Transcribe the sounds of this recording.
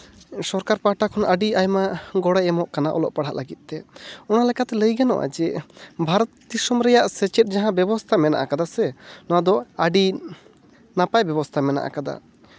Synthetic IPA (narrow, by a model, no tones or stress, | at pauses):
sɔɾkaɾpaʈakʰɔnʔəɖiajmaɡɔɽɛjɛmɔʔkanaʔɔ̰lɔ̰ʔpaɽ̤aʔlaɡit̪̚ˀt̪ɛɔnalɛkat̪ɛləjɡanɔ̰ʔa̰d͡ʒɛbʱaɾɔt̪̚d̪isɔmɾɛjaʔsɛt͡ʃɛt̪̚ˀd͡ʒaɦãbɛbɔst̪ʰamɛna̰ʔakad̪asɛnɔwad̪ɔaɖi | napajbɛbɔst̪ʰamɛna̰ʔa̰kad̪a̰